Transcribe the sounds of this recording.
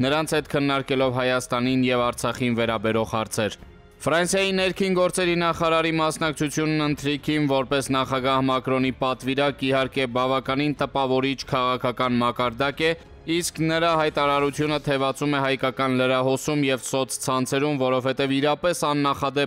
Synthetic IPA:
nəɾɑnt͡sʰhɛt̪kʰənːɑɾkɛlɔvɦɑjɑst̪ɑninjɛvɑɾt͡sʰɑχinvɛɾɑbɛɾɔʁhɑɾt͡sʰɛɾ | fɾɑnsjɑjinɛɾkʰinɡɔɾt͡sɛɾinɑχɑɾɑɾimɑsnɑk̚t͡sʰut͡sʰjunːənt̪ʰɾikʰimvɔɾpɛsnɑχɑɡɑhmɑkɾɔnipɑt̪viɾɑkihɑɾkɛbɑvɑkɑnint̪əpɑvɔɾit͡ʃʰkʰɑʁɑkʰɑkɑnmɑkɑɾd̪ɑkɛ | isknəɾɑɦɑjt̪ɑɾɑɾut͡sʰjunət̪ʰɛvɑt͡sumɛɦɑjkɑkɑnləɾɑɦɔsumjɛvsɔt͡sʰt͡sʰɑnt͡sʰɛɾumvɔɾɔvhɛt̪ɛviɾɑpɛsɑnːɑχɑd̪ɛ

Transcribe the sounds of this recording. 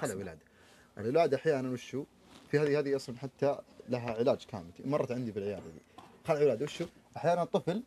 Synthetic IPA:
xalʕwɪla̰ːd̪a | ʔɪɾːɪlaːd̪aʔaħjaːnanwɪʃːuː | fihaːðihaːðiʔɑsˤlamħat̪ːalaɦaʕɪlaːd͡ʒkʰa̰ːmɪlmɑrˤːɑt̪ʕɪnd̪ibɪlʕɪja̰ːd̪ad̪ḭːxalːʕwɪlaːd̪awɪʃːuʔaħjaːnant̪ˤːɨfl

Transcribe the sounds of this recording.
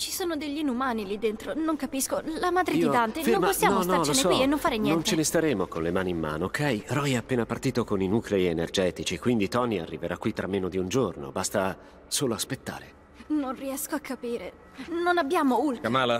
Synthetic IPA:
t͡ʃi̥soːnod̪eʎːinumaːnilid̪ːent̪ɾonoŋkapiskolamaːd̪ɾed̪id̪ant̪enfenompossːjaːnɔsnaɔnekwienːõɱfaːɾenjɛnontt͡ʃenest̪aɾeːmokonlemaːnimːa̰ːnookʰːɛjrɔjɛapːeːnapart̪iːt̪okoninuːkleienerd͡ʒɛːt̪it͡ʃikwind̪it̪ɔnia̰rːiveɾʔakːwit̪ːɾʔamːeːnod̪iund͡ʒorno̰bast̪a | soːloaspet̪ːa̰ːɾe | nonriɛskoakʰːapiːɾe | nonabːjaːmoult̪kamala

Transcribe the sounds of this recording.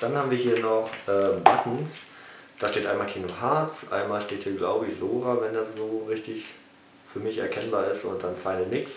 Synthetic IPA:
d̥anhaːbm̩viːɐɦiːɐnɔχʔɛːbatn̩s | d̥aːʃteːtʔaɪnmaːlkʰiːnohaɐt͡sʔa̰ɪnmaːlʃteːthiːɐɡlaʊbəɪçz̥oːʁavɛndaszoːʁɪçtɪç | fyːɐmɪçɛ̰ɐkʰɛnbaːɐɪstʊ̰nt̚d̥anfaɪnəmɪks

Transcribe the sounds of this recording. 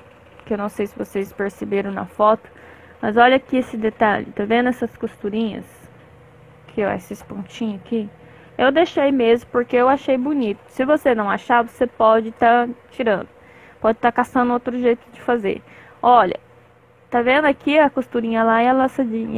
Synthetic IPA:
kɪewnɐ̃w̃sejsɪvosespeɾsebeɾɐ̃w̃nɐ̰fɔt̪ʊ̥ | mɐzɔʎɐkiesɪd̪et̪aʎɪ̰t̪avẽnd̪ʊɛsɐskost̪uɾĩɲɐ̰s | kʰɪoḛsɪspõt͡ʃĩɲʊaki | ewd̪ejʃejmezmʊpoɾkeewaʃejbʊnit̪ʊ̥sɪvosenɐ̃w̃aʃaɾvosepɔd͡ʒɪt̪at͡ʃiɾɐ̃nd̪ʊ | pɔd͡ʒɪt̪akasɐ̃nd̪ʊowt̪ɾʊʒejt̪ʊd͡ʒɪfazḛɾ | ɔʎɐ̰ | t̪avẽnd̪ʊakiɐkost̪uɾĩɲɐlaiɐlasad͡ʒĩɲɐ

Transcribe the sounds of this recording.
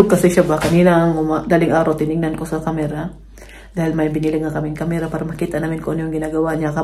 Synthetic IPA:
ʊɡ̚kɐsɪʃabakɐniːnaʔŋʊmad̪aːlɪŋʔaːɾawt̪ɪnɪŋnankosɐkamɛɾa | d̪aːhɪlmɐjbɪnilɪɡŋːakɐmɪkamɛɾapaːɾamɐkiːt̪aʔnaːmɪnkoʔonjoŋɡɪnaːɡɐwaɲaka

